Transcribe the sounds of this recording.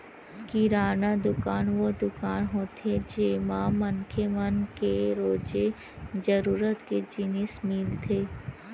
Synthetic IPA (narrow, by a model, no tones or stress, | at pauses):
kiɾaːnad̪ʊkaːnʋod̪ʊkaːnɦot̪ʰed͡ʒeːmãmɐnkʰemənkeɾoːd͡ʒe | d͡ʒəɾuːɾət̪ked͡ʒɪnɪsmɪlt̪ʰeː